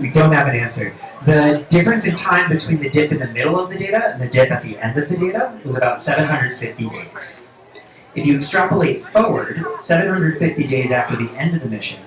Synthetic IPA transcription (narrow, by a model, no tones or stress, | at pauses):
widõʊ̃nt̚hɨvɨ̃næ̃nsə˞ | ðɨdɪfɹɨ̃nsɨ̃ntʰãɪ̃mbɨtʰw̥ĩnðɨdɪpɨ̃nðɨmɪɾl̩ˠʌvðɨdeɪɾɨɨ̃nðɨdɪpɨt̪̚ðiʔɛ̰̃ndʌvðɨdeɪɾəwʌzɨbaʊtsɛvɨ̃nɦʌ̃ndɹɨdn̩fɪftidḛɪz̥ | ɨfjɨ̥stɹ̥ɑplẽɪfɔɹwə˞d̥sɛvɨ̃nhʌ̃ndɹɨdfɪftideɪzæftə˞ðiʔɛ̃ndʌvðɨmɪʃɨ̃n